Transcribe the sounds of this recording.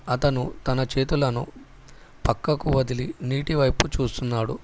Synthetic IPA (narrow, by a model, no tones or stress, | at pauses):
ɐt̪ɐnut̪ɐnɐt͡ʃe̞ːt̪ulɐnṵ | pɐkːɐkuʋɐd̪ʱiliniːʈiʋɐjput͡ʃuːst̪unːaːɽu